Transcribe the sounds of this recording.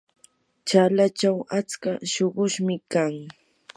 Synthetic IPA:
t͡ʃalat͡ʃawat͡skaʃoɢʊʃmɪkaŋ

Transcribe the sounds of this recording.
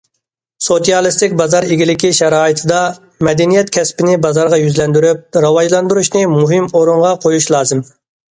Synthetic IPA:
sot̪ijɑlˠɨst̪ɪkʲbɑzɑɾeɡʲilɪkʲiʃɛɾɑːit̪ʰɨd̪ɑ | mɛd̪ɛnijɛt̪̚kʲʰɛspɪnɪbɑzɑɾʁɑjyzlɛnd̪yɾyp̚ɾɑwɑʒlˠɑnd̪uɾuʃnɪmuɦɪmoɾuɴʁɑqʰojuʃlˠɑːzɪm

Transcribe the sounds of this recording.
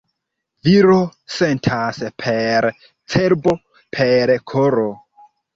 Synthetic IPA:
viɾose̞ntʰaspʰeɾ | t͡seɾbo̞ | pʰeɾkʰoɾo

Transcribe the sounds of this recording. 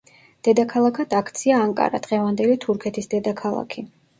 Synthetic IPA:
d̪̥ɛd̪akʰalˠakʰad̪akʰt̪sʰiaːŋkʼa̰ɾa̰d̪̥ʁɛvand̪ɛlit̪ʰuɾkʰɛt̪ʰisd̪ɛd̪akʰalˠa̰kʰi

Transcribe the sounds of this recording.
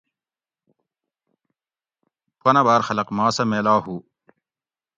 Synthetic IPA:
pɐnɐbaːɾxɐlɐqmaːsɐmeːlaːɦuː

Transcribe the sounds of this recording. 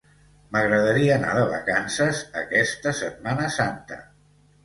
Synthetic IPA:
məɣɾəðəɾiəːna̰ðəβə̰kansəzə̰kɛst̪əsət̪̚manəsant̪ə̰

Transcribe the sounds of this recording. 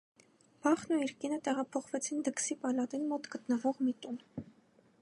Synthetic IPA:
b̥ɑχnuiɾkinət̪ɛʁɑpʰɔχvɛt͡sʰind̪əksipɑlɑt̪inmɔt̪ɡət̪nəvɔʁmit̪un

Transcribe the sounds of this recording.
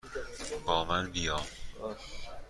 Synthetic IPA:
bɒːmænbijɒːm

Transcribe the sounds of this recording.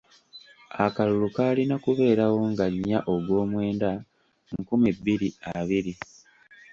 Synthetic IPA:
akalulukaːlinakuβe̞ːɾawo̞ŋɡaɲːaʔo̞ɡwo̞ːmwe̞ːnda | ŋkumibːiɾiaβiɾi

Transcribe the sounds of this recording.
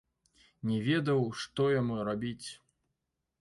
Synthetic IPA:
nʲɛvʲɛd̪ɐwʂt̪ɔjamuɾabʲit͡sʲ

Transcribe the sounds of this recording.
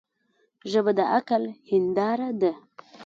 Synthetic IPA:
ʒəbəd̪əʔakalhɪnd̪ɑɾad̪ə

